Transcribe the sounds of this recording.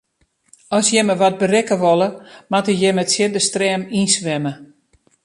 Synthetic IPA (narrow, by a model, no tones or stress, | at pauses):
ɔsjɛməʋɔt̚bərɪkəʋɔlˠəmatəjɛmətsjɪdəstrɛːminsʋɛmə